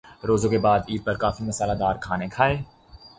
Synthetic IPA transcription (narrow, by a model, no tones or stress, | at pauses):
ɾoːzõkebaːd̪iːɾ̚pɐɾkaːfimɐsaːlad̪aːɾkʰaːnekʰaːeː